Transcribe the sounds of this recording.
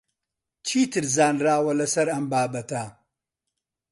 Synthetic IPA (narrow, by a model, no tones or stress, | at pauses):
t͡ʃʰiːt̪ʰɨɾzaːnraːwɐlɐsɐɾɐmbaːbɐt̪ɐ